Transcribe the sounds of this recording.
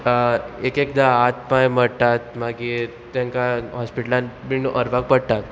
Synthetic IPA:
ekekd̪aːt̪pãjməɽt̪at̪maɡi | t̪jãŋkaɦɔspiʈəlãnminuʔəɾʋak̚pəɽt̪at̪

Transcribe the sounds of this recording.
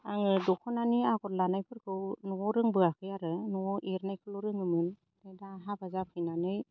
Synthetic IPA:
aŋɯdɔkʰɔnaniaɡɔɾlanajpʰɯɾkʰɯwnɔɾɯŋbɯakʰɯjaɾɯnɔʔeɾnajkʰɯlɔɾɯŋɯmɯn | dadaɦabazapʰɯjnanɯj

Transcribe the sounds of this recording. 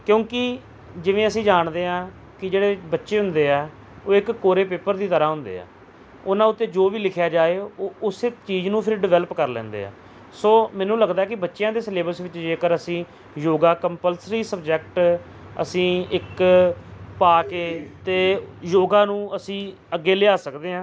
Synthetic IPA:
kjõːkɪ | d͡ʒɪʋẽːəsĩːd͡ʒaːɳd̪eːãː | kɪd͡ʒeːɽeːbətːʃeːɦʊ̃nd̪eːɛː | oːɪkːoːɾeːpeːpəɾd̪iːt̪əɾaːɦʊ̃nd̪ḛːa̰ː | ʊnãːʊt̪ːeːd͡ʒoːʋiːlɪkʰjaːd͡ʒaːeːoːʊset͡ʃiːd͡ʒnũːpʰɪɾɖɪʋɛːləpkəɾlɛ̰̃ːnd̪ḛːa̰ː | soːmɛ̃ːnũːləɡd̪aːɛːkɪbətːʃɪjãːd̪eːsleːbəɾsʋɪt͡ʃd͡ʒeːkəɾəsĩː | joːɡaːkəmpəlsɾiːsəbd͡ʒɛk̚ʈ | ə̰sĩːɪk | paːkeːt̪eːjoːɡãːnũːəsĩː | əɡːeːleːaːsəkd̪eːɦãː

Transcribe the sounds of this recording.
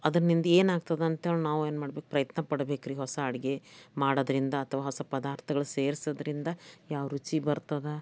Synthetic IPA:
ɐd̪ɐɾnind̪ɐeːnaːɡt̪ɐd̪eɐnt̪eːɭnaːʋueːnmaːɽbeːkupɾɐjɐt̪nɐpɐɽbeːkɾiɦɔsɐːɽɡe̞maːɽod̪ɐɾind̪ɐːt̪ʰɐʋaːɦɔsɐpɐd̪aːɾt̪ʰɐɡɐɭuseːɾsɐd̪ɾind̪ɐjaːʋɐɾut͡ʃibɐɾt̪ɐd̪e

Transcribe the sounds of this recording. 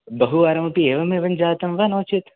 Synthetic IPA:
bɐɦuaːɾɐmɐpieːʋɐmeʋɐnd͡ʒaːt̪ɐmʋɐnoːt͡ʃʰit̪

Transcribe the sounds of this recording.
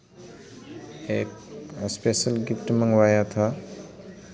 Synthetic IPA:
ekspesəlɡifʈmaŋwajat̪ʰa

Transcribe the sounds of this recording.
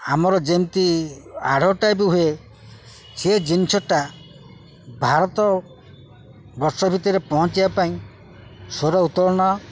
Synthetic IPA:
amɔɾɔd͡ʒemt̪ia̰ɽ̤ʱɔʈaebuɦue | sed͡ʒinisʰɔʈa | bʱaɾɔt̪ɔ | bɔɾsɔbʱit̪ɔɾepɔɦɔ̃t͡ʃibapaĩ | soɾɔut̪ɔɾɔɽ̃ɔ

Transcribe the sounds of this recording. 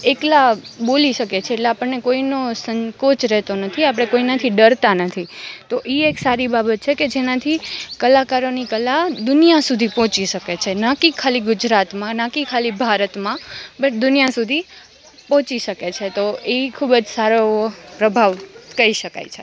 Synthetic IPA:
eklaboliʃəket͡ʃʰeːʈleapəɳnekoinosəŋkot͡ʃɾɛɦt̪onət̪ʰiapəɽ̃ekoinat̪ʰiɖəɾt̪anət̪ʰit̪oʔieksaɾibabət̪̚t͡ʃʰeked͡ʒenãt̪ʰikəlakaɾonikəlad̪ʊnijasud̪ʱipɔ̃t͡ʃiʃəket͡ʃʰenakikʰaliɡʊd͡ʒɾat̪mãnãkikʰalibʱaɾət̪mãbəʈd̪ʊnijasud̪ʱi | pɔ̃ɦt͡ʃiʃəket͡ʃʰet̪oeikʰubəd͡ʒsaɾopɾəbʱaʋkəɾiʃəka̰jt͡ʃʰe

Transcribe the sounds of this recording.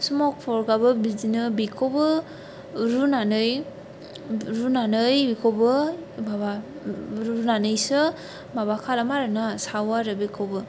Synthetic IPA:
sumɔk̚pʰɔɾɡabɯbizinɯbikʰobɯ | ɾunanɯj | ɾunanɯjbikʰobɯbaba | ɾunanɯjsɯ | maβakʰalamaɾɯnasawaɾɯbikʰobɯ

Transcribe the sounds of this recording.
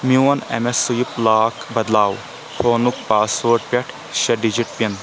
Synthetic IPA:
muɐnɐ̰mesujiplaːkbɐd̪laːw | fʰoːnuk̚paːsʋoːɾʈ̚pʲɐʈʰ | ʃɐɖid͡ʒiʈ̚pʲɐn

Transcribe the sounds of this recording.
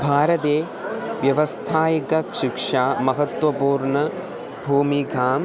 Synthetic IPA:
bʱaːɾɐt̪eː | ʋjɐʋɐst̪ʰaːjɐkɐkʂikʂaːmɐɦɐt̪ʋɐpuːɾɳɐ | bʱuːmiɡʱaːm

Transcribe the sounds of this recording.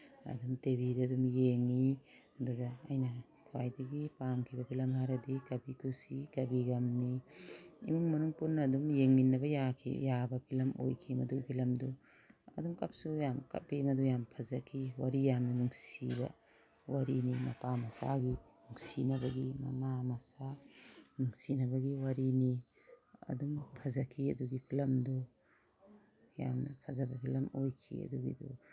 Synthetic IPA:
ɐ̰dumtebidɐːdumjeŋi | ɐduɡɐːjnɐ | kʰwajdɐɡipamkʰibɐpʰilɐmhaɾɐdikɐbikʰusikɐbiɡɐmni | ḭmuŋmɐnuŋpunːɐːdumjeŋninːɐbɐjakʰḭjabɐbʰilɐmo̰jkʰimɐdupʰilɐmdu | ɐ̰dumkɐp̚sujamkɐ̰t̚bimɐdujampʰɐzɐkʰiwaɾijamnɐnuŋsibɐ̰ | waɾinimɐpamɐsa̰ɡinuŋsinɐbɐɡimɐ̰mamɐsanuŋsinɐbɐɡiwɐɾini | ɐ̰duŋpʰɐzɐkʰiɐduɡipʰilɐmdu | ja̰mnɐpʰɐzɐbɐpʰilɐmojkʰḭɐ̰duɡḭdṵ

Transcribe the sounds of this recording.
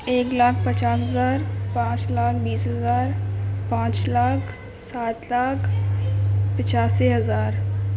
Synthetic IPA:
eːklaːk̚ʰpət͡ʃaːsɦəzaːɾpãːt͡ʃlaːkʰbiːsɦəzaːɾpãːt͡ʃlaːkʰ | saːt̪laːkʰ | pɪt͡ʃaːsiɦɐzaːɾ

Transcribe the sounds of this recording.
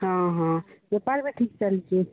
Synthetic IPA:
ɦãɦãbepaɾmeʈʰik̚t͡ʃəlt͡ʃʰe

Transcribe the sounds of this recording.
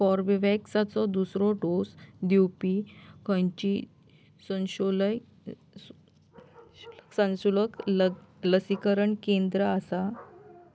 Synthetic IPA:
fɔɾʋəʋɛksat͡sɔd̪usɾɔɖosd̪iwpikʰə̃jt͡ɕi | sə̃ɕoləj | ksãnɕuləklləsikəɾəɳkẽnd̪ɾəasa

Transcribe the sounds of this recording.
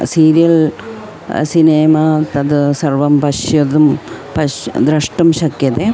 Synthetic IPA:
siːɾijɐl | sineːmaːt̪ɐd̪ɨsɐrʋɐmpɐʂjɐd̪um | pɐd̪ɾɐʂʈɐmɕɐkjɐt̪e

